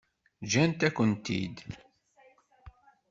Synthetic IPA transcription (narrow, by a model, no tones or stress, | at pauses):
ʒænt̪ækʷːənt̪ḭd̪